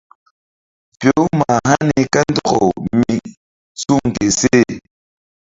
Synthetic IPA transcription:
pjo˦ma˨ha˦ni˨ka˦n˦dɔ˦ɣɔ̰˨mi˨ | su˦ŋ˨ke˨se˦˨

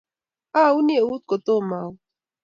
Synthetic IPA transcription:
aː˦u˦nie˨uː˦t̪̚ko˨t̪o˦maː˨w

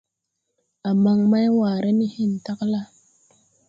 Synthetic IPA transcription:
a˨ma˨ŋma˦jwa˨ɾe˦ni˦hi˦˨n˨ta˦kla˦

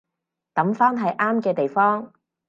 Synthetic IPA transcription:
t̪ɐ˨˥mfaː˥nɦɐ˨jʔaː˥mkɛː˧t̪e˨jfɔː˥ŋ

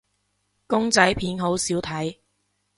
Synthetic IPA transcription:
kʊ˥ŋt͡sɐ˨˥jpʰiː˨˥nɦo˨˥wsiː˨˥wt̪ʰɐ˨˥j

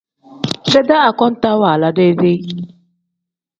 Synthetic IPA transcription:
se˦da˦a˨kɔ˦n̩˦ta˦wa˨la˦de˦ze˦ʔi˦

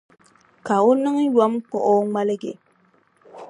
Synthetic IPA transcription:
ka˨ʊ˦nɨ˦ŋjɔ˦mk͡pɔ˦ʔɔ˦ŋ͡ma˦lɪ˦ɡe˨

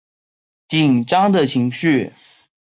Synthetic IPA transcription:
t͡ɕi˨˩nʈ͡ʂɑ˥ŋd̪ə˨t͡ɕʰi˧˥ŋɕy˥˩

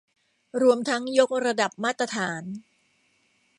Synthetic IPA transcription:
ɾu˧əmt̪ʰa˦˥ŋjo˦˥k̚ɾa˧da˨˩p̚maː˥˩t̪ːɾa˧t̪ʰaː˩˦n

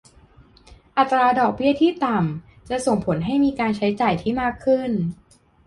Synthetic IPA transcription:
ʔa˨˩t̪ːɾaː˧dɔː˨˩k̚bi˥˩ɐt̪ʰiː˥˩t̪a˨˩m | t͡ɕa˨˩so˨˩ŋpʰo˩˦nɦa˥˩jmiː˧kaː˧nt͡ɕʰa˦˥jt͡ɕaː˨˩jt̪ʰiː˥˩maː˥˩kʰːɯ˥˩n

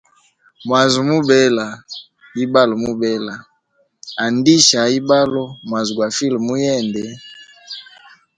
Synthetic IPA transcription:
mwa˨zu˨mu˦bɛ˦la˨ | i˦ba˦lo˨mu˦bɛ˦la˨ | a˨ndi˦ʃa˨i˦ba˦lo˦mwa˨zu˨ɡwa˨fi˦lmu˦jɛ˦˨ndɛ˨

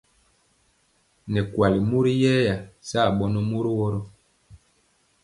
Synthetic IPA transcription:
nɛ˨kwa˨li˨mu˦ɾi˦jɛː˦ja˨sa˦˨ɓɔ˦nɔ˦mu˦ɾi˦wɔ˦ɾɔ˦

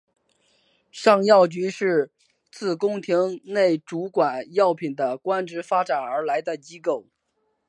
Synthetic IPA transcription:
ʂɑ˥˧ŋjɑ˥˩ʊt͡ɕy˧˥ʂɻ̩˥˧ | t͡sɹ̩˥˩kʊ˥ŋt̪ʰi˧˥ŋne˥˩ɪʈ͡ʂu˧˥kwa˨˩njɑ˥˩ʊpʰi˨˩nd̪ə˦kwa˥nʈ͡ʂɻ̩˧˥fa˥ʈ͡ʂa˨˩nə˞˧˥la˧˥ɪd̪ə˧t͡ɕi˥ko˥˩ʊ

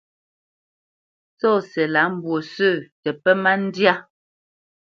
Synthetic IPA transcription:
sɔ˦˨sɛ˨la˨˦m̩˨˦bwo˨sə˦˨tɛ˨pɛ˦ma˦n̩˦dja˦

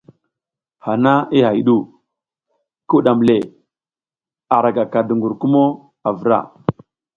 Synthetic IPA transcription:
ha˨na˦i˦ɦa˨ji˨ɗu˦˨ | ku˦ɗa˨m˨le˨ | a˨ɾa˨ɡa˨ka˨du˨ŋɡu˨ɾku˦mo˦ | a˨və˨ɾa̰˦˨

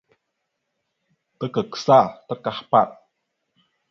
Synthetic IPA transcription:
t̪ə˦kə˨ksa˦˨t̪ə˦ka˨hpa˦˨t̪̚

